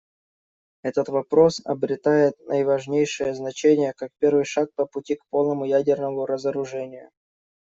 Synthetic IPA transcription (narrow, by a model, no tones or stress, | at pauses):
ɛt̪ət̪vɐpɾo̞sɐ̰bɾʲɪt̪ajɪt̪nʔəjvɐʐnʲejʂɨjəznɐt͡ɕenʲɪjəkak̚pʲe̞rvɨjʂak̚pəpʊtʲikpo̞lˠnəmʊjædʲɪrnəmʊɾəzəɾʊʐɛnʲɪjʊ̰